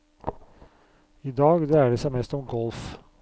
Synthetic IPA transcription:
id̪ɑːɡd̪ɛæːɖɛsæɪmɛst̪ɔmɡɔlf

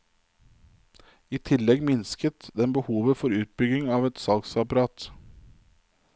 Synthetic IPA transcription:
iːt̪ʰɪlɛɡmɪnskət̪d̪ɛmbəhuːʋəfɔɾʉːt̪̚bʏɡɪŋɑːʋɛt̪sɑlɡsɑpɑɾɑːt̪

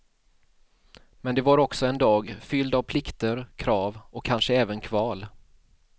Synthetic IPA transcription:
mɛnd̪ɛvaɾɔksɔɛnd̪ɑːɡfʏld̪avpʰlɪkt̪əɾkʰɾɑːvɔkʰːanʂəɛːvənkʰvɑːl

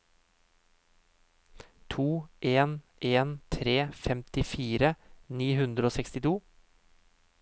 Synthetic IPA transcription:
t̪ʰuːʔeːn | ʔeːnt̪ʰɾeːfɛmt̪ɪfiːɾəniːhʉnd̪ɾəoːsɛkst̪ɪt̪ʰuː

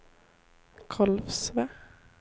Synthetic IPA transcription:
kʰɑlfsʋɛ

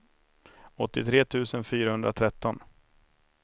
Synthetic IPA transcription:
ɔt̪ːɪt̪ʰɾeːt̪ʰʉ̟ːsənfyːɾahɵnd̪ɾat̪ʰɾɛt̪ːɔn

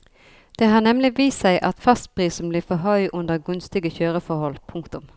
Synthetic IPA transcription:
d̪̥eːhɑːnɛmlɪʋiːssæɪʔɑt̪fɑst̪̚pʁiːsn̩bliːfɔɦœʏʔʊnd̪əʁɡʉnst̪ɪɡəçøːɾəfɔhɔlpʰʊŋkt̪ʊm

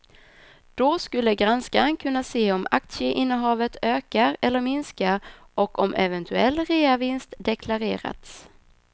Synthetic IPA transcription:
d̪̥ɔskɵlːəɡɾanskaənkʰɵnːaseːɔmak̚t̪səʔɪnːəɦɑːvət̪øːkaɾɛlːəɾmɪnskaɾ | ɔkɔmʔɛ̰vɛnt̪ʰɵɛlːɾeːavɪnst̪d̪ɛkʰlaɾeːɾa̰t̪s

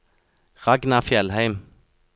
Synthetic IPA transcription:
ʁɑɡnɑfjɛlhæɪm

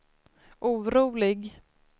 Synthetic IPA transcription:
ʔuːɾuːlɪɡ

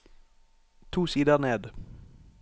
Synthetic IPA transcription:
t̪ʰuːsiːd̪əʁneːd̪

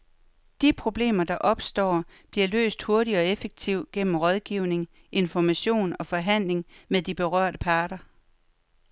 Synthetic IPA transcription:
d̥ipʰʁo̝b̥le̝̰ːmɐd̥ɑ̈ʔɒ̽b̥sd̥ɒ̰ːb̥liɐlø̰ːsd̥ho̝ɐɾiɒ̽efeɡ̥̚t͡sʰiʊ̰ɡ̥en̰m̩ʁɒ̽ð̞ˠɡ̥iʊ̰ne̝ŋ | ʔe̝nfɒmæɕo̝̰ːnɒ̽fɒ̽ɦæn̰le̝ŋmeðˠd̥ib̥e̝ʁɶɐ̰ɾ̥əpʰɑ̈ːɾ̥ɐ

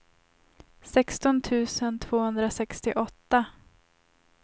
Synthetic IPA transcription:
sɛkst̪ɔnt̪ʰʉ̟ːsənt̪ʰv̥oːhɵnd̪ɾasɛkst̪ɪʔɔt̪ːa

